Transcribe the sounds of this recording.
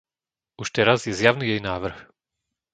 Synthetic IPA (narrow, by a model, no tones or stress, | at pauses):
uʃt̪ɛɾazjɛzjaʊniːjɛjnaːʋr̩x